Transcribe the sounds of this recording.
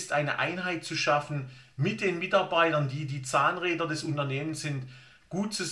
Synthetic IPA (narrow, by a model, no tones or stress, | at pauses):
stʔaɪnə̰ʔa̰ɪnɦaɪt̚t͡suʃafn̩ | mɪt̚d̥eːnmɪtaɐbaɪtɐndiːdiːt͡saːnʁɛːdɐdɛsʊntɐneːmənsz̥ɪnt | ɡ̥uːt̚t͡suz